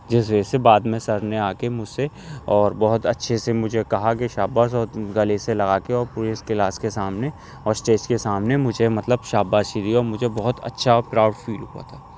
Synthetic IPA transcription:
d͡ʒɪs̬weːsebaːd̪mẽsɐɾneaːkemʊd͡ʒse | ɔːɾbɔɦʊt̪ɐtːʃʰesemʊd͡ʒʱekɐɦakeʃaːbaːzɔːɾɡɐleselɐɡaːkeɔːɾpuːɾeskelaːskesaːmne | ɔːɾsʈeːt͡ʃkesaːmnemʊd͡ʒʱemɐt̪ləbʃaːbaːid̪iɔːɾmʊd͡ʒʱebɔɦʊt̪ɐ̰tːʃʰaɔːkɾaːʊɖfiːlɦua̰t̪ʰaː

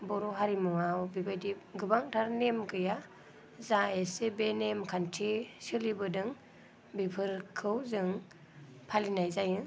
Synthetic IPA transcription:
bɔɾɔɦaɾimuŋawbibajdiɡɯbaŋtʰaɾnemkɯja | zaesebenemkʰantʰisɯlibɯdɯŋ | bipʰɯɾkʰɯwzɯŋ | pʰalinajzajɯ

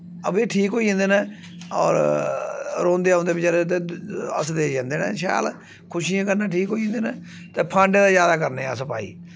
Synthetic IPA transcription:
əbeːʈʰiːkoːiẽnd̪eːnãː | ɔ̰ːɾ | ɾõːnd̪eːaõːnd̪eːbɪt͡ʃəd̪et̪eːə̰sd̪eːd͡ʒãːnd̪eːnã̰ːʃa̰ːl | kʰʊʃiːãːkəɾnãːʈʰiːkɦoːĩnd̪eːnãː | t̪eːpʰãːɳɖeːd̪aːzjaːd̪aːkəɾneːa̰ːsəpa̰ːḭː

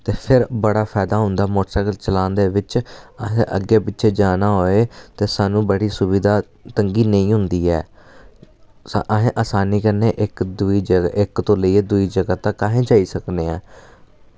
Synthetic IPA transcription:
t̪eːpʰɪɾbəɽaːpʰɛːd̪aːɦʊnd̪aːmoːʈsaːɡəlt͡ʃəlãːnd̪eːʋɪt͡ʃəɦẽʔə̰ɡeːpɪtːʃʰeːd͡ʒaːnaːɦoːeːt̪eːsaːnũːbəɽiːsʊbiːd̪aː | t̪əŋɡiːnəĩːɦʊnd̪iːɛ̰ː | sa̰ʔəɦẽːʔaːsaːniːkəɾneːʔɪkd̪ʊiːd͡ʒəʔɪkt̪õːləiːeːd̪ʊiːd͡ʒəɡaːt̪aːkaːɦẽːd͡ʒaːiːsəkneːɛː

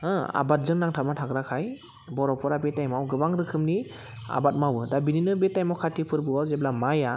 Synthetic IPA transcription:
ɯa̰bat̚zɯŋnaŋtʰamatʰaɡɾakʰaj | bɔɾɔpʰɔɾabetajmawɡɯbaŋɾɯkʰɯmni | a̰bat̚mawɯdabininɯbetajmawkʰatipʰɯɾbɯawzeblamaja

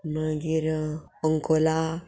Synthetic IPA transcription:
məɡiɾɔŋkola

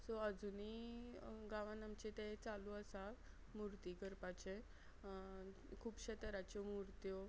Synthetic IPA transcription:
sɔəd͡zuni | ɡaʋãnamt͡ɕet̪et͡saluəsa | muɾt̪ikəɾpat͡ɕẽ | kʰuːpɕet̪əɾat͡ɕɔmuɾt̪jɔ

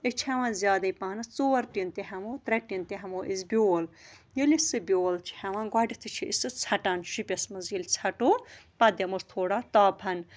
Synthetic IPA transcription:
it͡ʃʰhɐʋãːzjaːd̪ɐipaːnɨt͡soːɾʈint̪iɦɐmoːt̪ɾɐʈint̪iɦɐmoːʔizbʲjoːljilisɨbʲjoːlt͡ʃʰi̥hɐʋãɡɐɖit̪ʰɨt͡ʃʰiʔisɨt͡sʰɐʈanʃipʲɐsmɐzilt͡sʰɐʈoːpɐd̪ɐmust̪ʰoːɽat̪aːpʰɐn

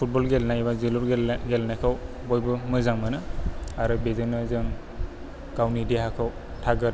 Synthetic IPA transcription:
pʰut̚bɔlɡelnajbaziluɾɡelɡelnajkʰaw | bɔjbɯmɯzaŋmɯnɯaɾɯbezɯnɯzɯŋ | kawnideɦakʰaw | tʰaɡɯɾ

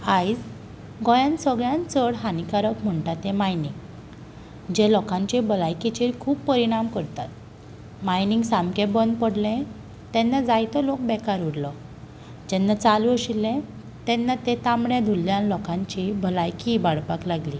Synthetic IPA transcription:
ajd͡z | ɡɔjãnsəɡɭjãnt͡səɽɦanikaɾəkm̤əɳʈat̪ẽmajniŋɡ | d͡ʑelɔkãɲt͡ɕibʱəlajkit͡ɕiɾkʰuːpːəɾiɽ̃amkəɾt̪at̪̚ | majniŋɡsamkẽbənd̪pəɽlẽ | t̪ɛnːad͡zajt̪ɔlok̚bɛkaɾuɽlɔ | d͡ʑɛnːat͡saluəɕilːẽ | t̪ɛnːat̪et̪amɽed̪ʱulːjãnlɔkãɲt͡ɕibʱəlajkibaɽpaklaɡli

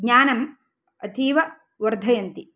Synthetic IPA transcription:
ɡɲaːnɐm | ɐt̪ʰiːʋɐ | ʋɐɾd̪ʱɐjɐnt̪i

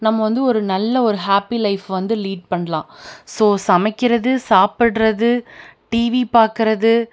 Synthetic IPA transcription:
nɐmːɐʋɐnd̪ɯɔɾɯnɐlːɐɔɾɯɦaːpilɐɪfʋɐnd̪ɯliːɖ̚pɐɳːɐlãːsoːsɐmɐɪkːɪɾɐðɯsaːpɪɽɾɐðɯʈiːʋipaːɾkɪɾɐðɯ

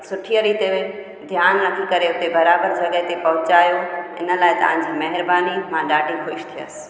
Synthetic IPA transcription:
sʊʈʰiəɾit̪eʋɪ | d̪ʱjaːnnɐk̪ʰikɐɾeʊt̪ebɐɾaːbəɾd͡ʑɐɠəɦet̪epɐɦʊt͡ɕaːjoɪ̰nə̆laːɦɪt̪ɐ̰ʋ̤ãɪ̃d͡ʑiːmɐɦɪɾbaːnimãɗaːɖʱixʊʃt̪ʰijə̰sɪ̥̆

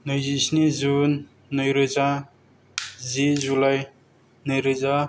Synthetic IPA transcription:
nɯjzisnizunː | ɯjɾɯza | zizulaj | nɯjɾɯza

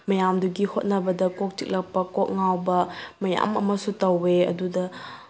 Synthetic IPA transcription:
mɐjamduɡihot̚nɐbɐdɐkok̚t͡ʃik̚lɐk̚pɐkok̚ŋawbɐmɐja̰mɐ̰mɐsutɐweɐ̰dudɐ

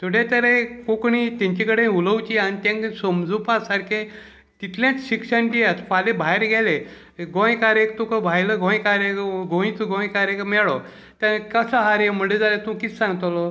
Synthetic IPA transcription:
t̪ʰoɽet̪əɾekokɳit̪ãɲt͡ɕikəɽeuləwt͡ɕiaɽ̃it̪ãŋksəmd͡zupasaɾkʰe | t̪it̪ʰljãt͡sɕikʂəndiat̪falebʱajeɾɡʱɛle | ɡõjkaɾekt̪ukəbʱajləɡʱõjkaɾekɡõĩt̪uɡõjkaɾekmɛɭɔ | t̪ãkəsəɦaɾjem̤əed͡zalet̪ũkit͡ssãŋɡt̪lɔ

